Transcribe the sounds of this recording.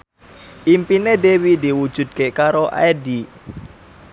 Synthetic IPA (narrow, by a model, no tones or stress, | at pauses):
ʔimpinedewidiwud̥ʒ̥ṳd̪̚kekaɾoʔa̰edi